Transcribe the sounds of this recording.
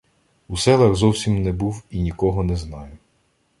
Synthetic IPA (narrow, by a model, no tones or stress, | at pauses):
usɛlˠɐɣzɔwsʲimnɛbuwinʲikɔɦɔnɛznɑjʊ